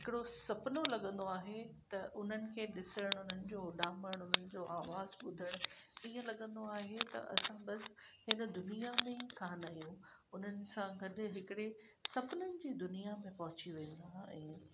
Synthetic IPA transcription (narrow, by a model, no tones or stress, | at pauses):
ɦɪkɪɽosɐpnolɐɠə̃nd̪oaːɦet̪ɐʔʊn̤ənɪ̆kʰeːɗɪsəɽ̃ʊn̤ənɪ̆d͡ʑoːɗaːməɽ̃ʊn̤ənɪ̆d͡ʑoːʔaːʋaːzɓʊd̪ʱəɽ̃iɦəlɐɠə̃nd̪oaːɦet̪ɐ̰ʔɐ̰sãɓɐshɪnə̆d̪ʊnijamẽkʰaːnaijũ | ʊn̤ənɪ̆sãɡɐɗ̆ɦɪkɪɽe | sɐpnənɪ̆d͡ʑiːd̪ʊnijamẽpɐɦʊt͡ɕiʋẽːn̆d̪aɛ̰̃ː